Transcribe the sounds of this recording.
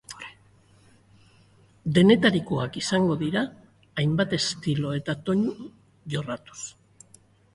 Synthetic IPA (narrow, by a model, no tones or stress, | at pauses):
d̪e̞ne̞t̪aɾikoakisaŋɡo̞ðiɾaː | jmbat̪e̞st̪ilo̞e̞t̪at̪o̞ɲ | ʝo̞rat̪u̥s